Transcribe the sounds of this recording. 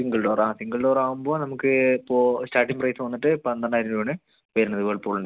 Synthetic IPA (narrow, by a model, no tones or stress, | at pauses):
iŋɡɐɭɖoːɾaːsiŋɡɐɭɖoːɾaːʋumbo̞ːnɐmukːɨpːoːstaːʈːiŋprɐjsʋɐnːiʈːɨpɐnd̪ɐnːaːjiɾinɖɐːɳɨ | ʋɐːɾunːɐðɨʋeːɭpoːɭuɳɖɐ